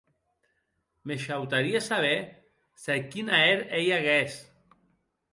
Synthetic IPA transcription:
meʃawt̪aɾiasaβ̞e | sakinaeɾejaɣes

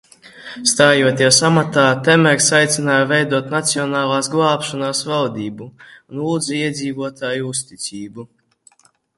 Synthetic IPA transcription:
st̪aːjuɔt̪iɛsamat̪aːt̪ɛmɛɾʲsajt̪sinaːjvɛjd̪uɔt̪nat̪siɔnaːlˠaːsɡlˠaːpʃɔnaːsvald̪iːbuunuːd̪ziɛd̪ziːvuɔt̪ʰaːjuust̪it̪siːbu

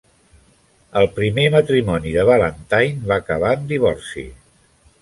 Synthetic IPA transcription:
əlˠpɾimemət̪ɾimɔniðəβalənt̪ajnβakəβaənd̪iβ̞ɔrsḭ

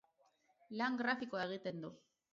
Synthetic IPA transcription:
laŋɡɾafikoaeɣ̞it̪e̞nd̪u

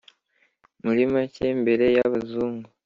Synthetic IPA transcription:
muɾimacembe̞ɾe̞jaβazuːŋɡo

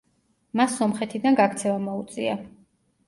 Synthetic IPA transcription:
masːɔmχɛt̪ʰid̪anɡakʰt̪sʰɛvamɔut̪sʼia̰

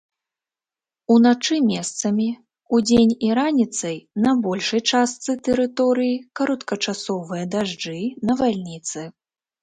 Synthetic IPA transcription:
unat͡ʂɨmʲɛst̪sɐmʲi | ud͡zʲenʲiɾanʲit̪sɐjnɐbɔlʲʂɐjt͡ʂast̪sɨt̪ɛɾɨt̪ɔɾɨjikɐɾɐt̪kɐt͡ʂasɔvɨjɐd̪aʐd͡ʐɨnɐvalʲnʲit̪sɨ

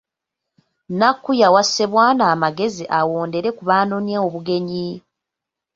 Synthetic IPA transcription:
nakːujawasːe̞βwaːnaːmaɡe̞ziʔawoːnde̞ɾe̞kuβaːnonjeoβuɡe̞ɲi

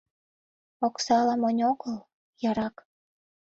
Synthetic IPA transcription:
oksɑlɑmonʲoɣəl | jɑɾɑk

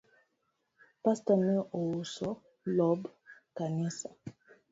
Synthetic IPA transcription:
pastanɛʔowosɔ | lɔbkanɛsa

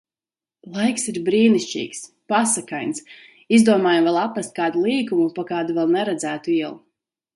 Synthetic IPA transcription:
lˠajksiɾbɾiːnisʲt͡ʃḭːks | pasakajns | izd̪uɔmaːjamvɛlˠapɾast̪̚ʲkaːd̪ulˠiːkumupakaːd̪uvɛlˠnɛɾɛd̪zæːt̪uiɛlˠu

